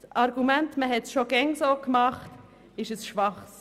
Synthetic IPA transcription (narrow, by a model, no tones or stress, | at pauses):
sɑɾɡumɛntməɦɛtsʃoɡɛŋsokmɑχt | ɪʃəsʃʋɑχs